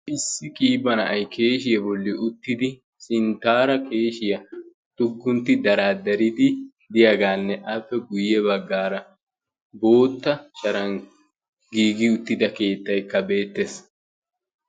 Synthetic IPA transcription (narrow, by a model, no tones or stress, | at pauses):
ʔɪsːɪkʼiːbɐnɐ̰ʔɐjkʰe̞ːʃɪjɐbɔlːɪʔʊt̪ːɪd̪ɪ | sɪnt̪aːɾɐkeːʃɪjɐ | t̪ʊɡːʊnt̪ːɪd̪ɐɾaːd̪ɐɾɪd̪ɪ | d̪ɪjaɡaːnːɛʔɐpːɛɡʊjɛbɐɡːaːɾɐ | bo̞ːt̪ːɐʃɐɾɐŋ | ɡiːɡɪʊt̪ːɪd̪ɐke̞ːt̪ːɐjkːɐbe̞ːt̪ːes